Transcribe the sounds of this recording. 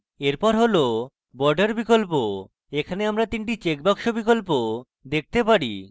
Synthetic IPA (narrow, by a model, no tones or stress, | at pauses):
eɾpɔɾɦolo | bɔɾɖeɾbikolpo | ekʰaneamɾat̪iɳʈit͡ɕek̚bakʃobik̬olpo | d̪ek̚ʰt̪epaɾḭ